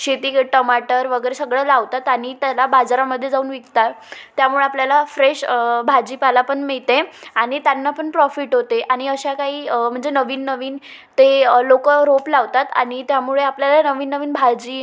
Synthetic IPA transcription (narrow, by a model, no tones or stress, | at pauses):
ɕet̪iːkəʈəmaʈəɾʋəɡəjɾesəɡɭəlaʋt̪at̪aɽ̃it̪jalabad͡zaɾaməd̪ʱːjed͡zauːnʋikt̪at | t̪jamuɭeapljalafɾeɕbʱad͡ʑiːpalapəɳmiɭt̪ẽaɽ̃it̪janːapəɳpɾɔfiʈɦot̪eʔaɽ̃iəɕakaɦiːm̤əɳd͡zenəʋiːnːəʋiːn | t̪elokəɾoplaʋt̪at̪a̰ɽ̃it̪jamuɭeapljalanəʋiːnːəʋiːnbʱad͡ʑiː